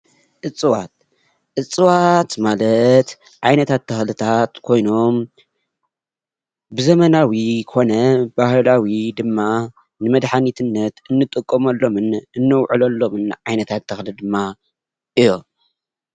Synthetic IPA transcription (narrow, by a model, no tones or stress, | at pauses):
ʔɨt͡sʼɨwat̪̚ | ʔɨt͡sʼɨwat̪malɐt̪ | ʕajnɐt̪ʰat̪ʰːɐxlɨt̪ʰat̪kʰo̞jno̞m | bɨzɐmɐnawikʰo̞nɐbahlawid̪ɨmːa | nɨmɐd̪ħanit̪ʰɨnːɐt̪ɨnːɨt̪ʼɨkʼːomɐlːo̞mɨnɨnːɐwʕɨlɐlːo̞mɨnʕajnɐt̪ʰat̪ʰːɐxlɨd̪ɨmːa | ʔɨjːo